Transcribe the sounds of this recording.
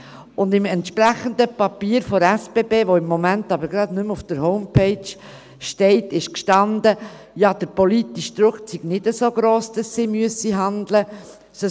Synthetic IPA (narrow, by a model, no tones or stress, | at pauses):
ʊndɪmɛntʃpɾæχənd̪əpɑpiːɾfɔɾɛsb̥eːbeːʋoɪmːomæntɑbəɾɡɾɑd̪nʏmufd̥əɾhɔʊmpʰɛɪt͡ʃ | ʃtɛɪtɪʃkʃtɑnd̪ə | jɑːd̥̪əɾpolit̪iʃd̪ɾʊkt͡siɡ̥nɪdəsoːɡɾoːsd̥ɑsːiːmyəsiɦɑnd̪lə | sə